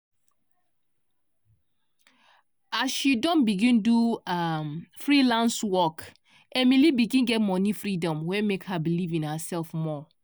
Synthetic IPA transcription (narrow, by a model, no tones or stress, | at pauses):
asʃidɔ̃nbiɡĩnduamfɹilãnswɔk | ɛmilibiɡĩnɡɛt̚mɔnifɹidɔ̃mwɛmekhabilivĩnhəsɛlˠfmɔ